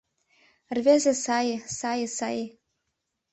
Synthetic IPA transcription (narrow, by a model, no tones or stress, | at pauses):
rvʲezesajsajsaj